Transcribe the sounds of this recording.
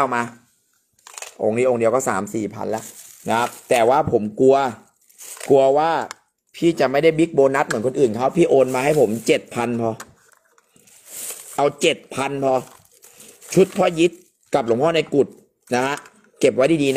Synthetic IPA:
maː˧ | ʔo̰ː˧ŋniː˦˥ʔo˧ŋndi˧əwkɔː˥˩sa̰ː˩˦msiː˨˩pʰa̰˧nlɛ˦˥ʔ | na˦˥kʰa˦˥p̚t̪ɛː˨˩waː˥˩pʰo˩˦mku˧ɐ | ku˧ɐwaː˥˩ | pʰiː˥˩t͡ɕa˨˩ma˥˩jda˥˩jbi˦˥k̚boː˧na˦˥t̪̚mɯ˩˦nkʰo˧nʔɯː˨˩nkʰa˦˥˩wpʰiː˥˩ʔoː˧nmaː˧ha˥˩jpʰo˩˦mt͡ɕe˨˩t̪̚pʰa˧npʰɔ˧ | ʔa˧wt͡ɕe˨˩t̪̚pʰa˧npʰɔ˧ | t͡ɕʰu˦˥t̪̚pʰɔ˦˥˩ji˦˥t̪̚ | ka˨˩p̚lo˨˩˦ŋʰɔː˥˩na˧jku˨˩t̪̚ | na˦˥kʰa˦˥ʔ | ke˨˩p̚wa˦˥jdaː˥˩diː˧a˦˥

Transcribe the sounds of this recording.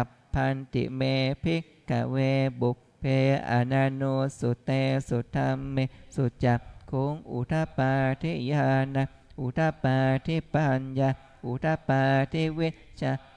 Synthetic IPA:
a˨˩ | pʰːa˧nt̪ḭ˨me˧pʰi˦ | ka̰˨we˧bu˨˩k̚pʰe˧a̰˨na˧nu˧su˨t̪e˧su˨t̪ʰa˧mːe˧su˧t͡ʃa˨˩pkʰu˨˦ŋʔṵ˨t̪ʰa˧paː˧t̪ʰi˦ja˧na˧ | ʔu˨t̪ʰa˧˦pa˧t̪ʰi˦pa˧nja˧ | ʔu˨t̪ʰa˧pa˧t̪ʰi˦wi˦ | t͡ʃa˧

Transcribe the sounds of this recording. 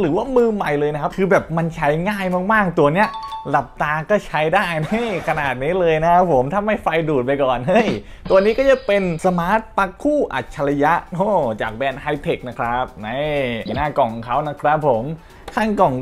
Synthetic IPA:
ɾɯː˨˩˦waː˥˩mɯː˧ma˨˩jlɤː˧jna˦˥kʰa˦˥p̚kʰɯː˧bɛː˨˩p̚ma˧nt͡ɕʰa˦˥jŋaː˥˩jmaː˥˩k̚maː˥˩k̚t̪u˧ɐni˦˥ɐla˨˩p̚t̪aː˧kɔː˥˩t͡ɕʰa˦˥jdaː˥˩jhɯ˥˩jkʰa˧naː˨˩t̪̚niː˦˥lɤː˧jna˦˥kʰa˦˥pʰːo˩˦mt̪ʰa˥˩mːa˥˩jfa˧jduː˨˩t̪̚pa˧jkɔː˨˩nɦɤ˥˩j | t̪u˧ɐniː˦˥kɔː˥˩a˧˥pe˧nsa˧maː˦˥t̪̚pa˦˥kʰːuː˥˩ʔa̰˨˩t̪̚t͡ɕʰa˧la˧ja˦˥ʔhoː˧˥˩t͡ɕa̰ː˨˩k̚bɛː˧nha˧jt̪ʰe˨˩k̚na˦˥kʰɾa˦˥p̚na˦˥˩ja˨˩˦naː˥˩kɔ˨˩ŋkʰa˦˥wna˦˥kʰɾa˦˥pʰːo˩˦m | kʰaː˥˩ŋkɔ˨˩ŋ

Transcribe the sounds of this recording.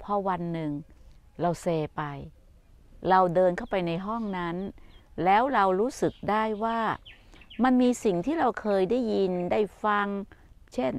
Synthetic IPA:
pʰɔ˧˥wa˧nːɯ˨˧ŋ | ɾa˧wseː˧pa˧j | ɾa˧wdɤː˧nkʰa˥˩wpa˧jna˧jɦɔ˥˩ŋna˦˥nlɛː˦˥wɾa˧wɾuː˦˥sɯ˨˩k̚daː˥˩jwaː˥˩ | ma˧nmiː˧si˨˩ŋt̪ʰiː˥˩ɾa˧wkʰɤː˧jdaː˥˩jːi˧ndaː˥˩jfa˧ŋt͡ɕʰe˥˩n

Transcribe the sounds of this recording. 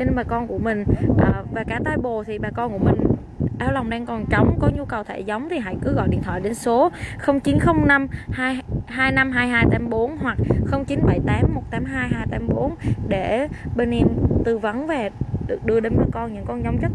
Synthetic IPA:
si˧nɓaː˨˩kɔ˧nku˧˩əmï˨˩ŋ̟ʔəː˨˩vaː˨˩kaː˧˩t̪aː˧jɓo˨˩t̪ʰi˨˩ɓaː˨˩kɔ˧nku˧˩əmï˨˩ŋ̟ | ʔaː˨˦wla˨˩wŋ͡mɗaː˧ŋkɔ˨˩nt͡ɕə˨˦wŋ͡mkɔ˨˦ɲu˧kə˨˩wt̪ʰḛ˧˩zə˨˦wŋ͡mt̪ʰi˨˩ɦa̰˧˥jkɨ˨˦ɣɔ̰˧˨jɗḭ˧˨ənt̪ʰwaː˧˨ɗe˨˦nso˨˦xə˧wŋ͡mt͡ɕi˨˦nxə˧wŋ͡mna˧mhaː˧jɦaː˧jna˧mɦaː˧jɦaː˧jt̪aː˨˦mɓo˨˦nɦwa˨˩k̚xə˧wŋ͡mt͡ɕi˨˦nɓə˧˩jt̪aː˨˦mːo˨˩t̚t̪aː˨˦mɦaː˧jɦaː˧jt̪aː˨˦mɓo˨˦nɗe˧˩ɓe˧ni˧nt̪ɨ˨˩və˨˦nve˨˩ɗɨ˨˩ək̚ɗɨ˧əɗe˨˧nvə˨˧˦kɔ˧nɲɨ̰˧˥ŋkɔ˧nzɔ˨˦wŋ͡mt͡ɕt̚

